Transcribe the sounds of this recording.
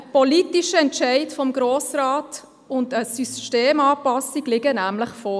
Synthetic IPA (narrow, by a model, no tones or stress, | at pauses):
pɔliːtiʃəɛntt͡ʃɛɪtfɔmɡɾoːsrɑːt | ʊndəsysʃteːmɑːpɑsiɡlɪɡənæmlɪχfɔː